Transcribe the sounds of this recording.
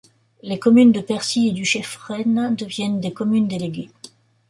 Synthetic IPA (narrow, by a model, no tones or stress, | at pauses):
lekɔmynd̪əpɛʁsied̪yʃɛfʁɛnd̪əvjɛnd̪ekɔmynd̪eleɡʲe